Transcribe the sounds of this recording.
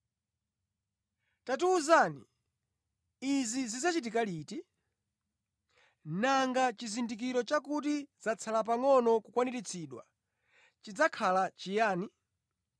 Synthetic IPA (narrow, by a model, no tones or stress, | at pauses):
tatuːzani | izizizat͡ʃit̬ikaliːti | naŋɡat͡ʃizindik̬iɾɔt͡ʃakut̬izat͡sʰalap̬aŋɔnɔkukwaniɾit͡sʰiɗwa̰ | t͡ʃid͡zakʰalat͡ʃijaːni